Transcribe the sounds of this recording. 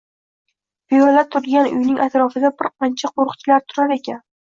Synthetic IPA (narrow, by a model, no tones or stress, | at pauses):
bijɒlat̪ʰʊɾɡʲanʊ̰jnɪŋʔat̪ɾɒfɪd̪abɪɾqʰɑnt͡ʃʰaqʰoɾʊqt͡ʃʰɪlaɾt̪ʰʊɾaɾe̞kʲan